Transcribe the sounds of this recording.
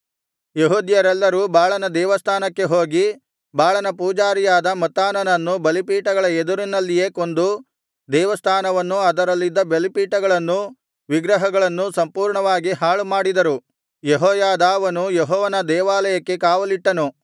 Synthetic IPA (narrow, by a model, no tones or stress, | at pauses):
jeɦuːd̪jɐɾɛlːɐɾuːbaːɭɐnɐd̪ɛːʋɐst̪ʰaːnɐkːe̞ɦo̞ːɡi | baːɭɐnɐpuːd͡ʒaːɾijaːd̪ɐmɐt̪ːaːnɐnɐnːubɐlipiːʈɐɡɐɭɐed̪uɾinːɐlːije̞ːko̞nd̪u | d̪ɛːʋɐst̪ʰaːnɐʋɐnːuɐd̪ɐɾɐlːid̪ːɐbelipiːʈɐɡɐɭɐnːu | ʋiɡɾɐɦɐɡɐɭɐnːusɐmpuːɾɳɐʋaːɡiɦaːɭumaːɽid̪ɐɾu | jeɦɔːjaːd̪aːʋɐnujeɦɔːʋɐnɐd̪ɛːʋaːlɐjɐkːe̞kaːʋɐliʈːɐnu